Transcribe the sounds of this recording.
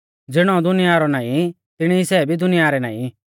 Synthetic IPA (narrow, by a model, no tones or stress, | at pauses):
d͡zɪɽ̃ɔ̃d̪ʊnɪjaɾɔnaːĩ | t̪ɪɽ̃isɛːbʱid̪ʊnɪjaɾɛnaːḭ̃